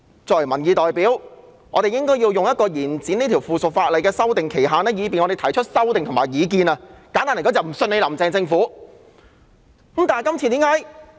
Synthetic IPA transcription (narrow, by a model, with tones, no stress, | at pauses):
t͡sɔː˨˧k̚wɐ˨˩mɐ˨˩njiː˨˧t̪ɔː˨jpiː˨˥w | ŋɔ̰ː˨˧t̪e˨jɪ˥ŋkɔː˥ji˧wjʊ˨ŋjɐ˥t̚kɔː˧jiː˨˩nt͡siː˨˥n˥t̪ʰi˨˩wfuː˨˩sʊ˨k̚faː˧t̚lɐ˨jkɛː˧sɐ˥wt̪ɪ˨ŋkʰe˨˩jɦaː˨nɛː˥jiː˨˧p̬iː˨nŋɔ˨˧ɾe˨jt̪ʰɐ˨˩jt͡ʃʰɵ˥t̚sɐ˥wt̪ɪ˨ŋt̪ʰʊ˨˩ŋmaː˨˩jiː˨˧kiː˧nɐ˧kaː˨˥nt̪aː˥n˨˩kɔː˨˥t͡sɐ˨wm̩˨˩sɵ˧ne˨˧lɐ˨˩mt͡sɛː˧ŋt͡sɪ˧ŋfuː˨˥˧ | mt̪a˨˩kɐ˥mt͡sʰiː˧t̪iː˨˥ŋkaː˨˥j